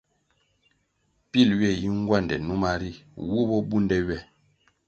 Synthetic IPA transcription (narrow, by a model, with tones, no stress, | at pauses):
pi˦˨lɥɛ˦˨ji˦ŋ˦ɡwa˦˨ndɛ̰˨nu˦ma˦ɾi˦wu˦bɔ˦bu˦ndɛ˦ɥɛ˦˨